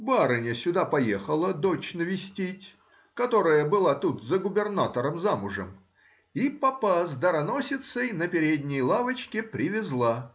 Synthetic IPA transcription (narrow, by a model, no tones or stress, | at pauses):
baɾɨnʲəsʲʊd̪apɐjexəlˠəd̪ot͡ɕnəvʲɪsʲtʲitʲ | kɐt̪o̞ɾəjəbɨlˠat̪ut̪zəɡʊbʲɪrnat̪əɾəmzamʊʐə̰m | ipɐpazd̪əɾɐno̞sʲɪt̪səjnəpʲɪɾʲedʲnʲɪjlˠavət͡ɕkʲɪpɾʲɪvʲɪzlˠa